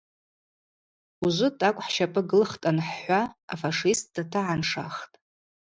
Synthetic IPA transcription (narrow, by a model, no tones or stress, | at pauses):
uʒʷʊtʼakʷʼħʃapʰʼɨɡɨlχtʼanħħʷaa̰faʂist̚ʼdatʰɨʕanʂaχtʼ